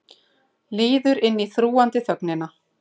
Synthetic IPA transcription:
lɪːðʏɾɪnːiθɾuːant̪ɪθœknɪna

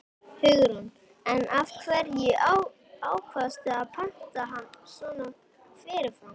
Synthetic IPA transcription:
hʏɣɾun | ɛnafkʰvɛɾjɛa | aːwkʰvast̪ɪaðpʰan̥t̪aɦanːsɔna | fɪɾɪɾfan

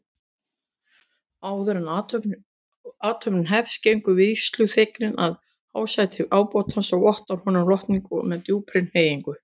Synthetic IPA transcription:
aːwðɛɾan | aːt̪ʰœpnnɦɛfscejŋkʏvɪðist̪lʏθeknɪnað | haːwsajt̪ʰɪʔaːwpɔwt̪ansaɣɔht̪aɾhɔːnʏmlɔht̪niŋkʏmɛðt̪juːpʰɾɪnheːjiŋkʏ

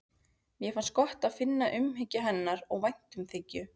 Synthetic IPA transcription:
mjɛfanskɔht̪aðfɪnːaʔʏmɦɪcːɪɦɛnːaɾɔɣvajn̥t̪ʏmθɪcːʏ

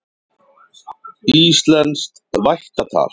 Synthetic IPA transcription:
ist̪lɛnt̪st̪ | vajht̪at̪ʰa̰ːɾ̥

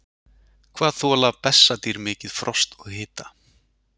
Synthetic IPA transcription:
kʰvaːðθuɔlapɛsːat̪iɾmɪːcɪðfɾɔst̪ɔɣhɪːt̪ḁ

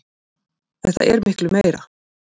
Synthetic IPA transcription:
θɛht̪a̰ʔɛɾmɪhklʏmeːjɾa

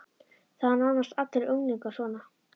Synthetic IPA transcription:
θaðananːast̪at̪ːɪɾœwŋliŋkasɔːna

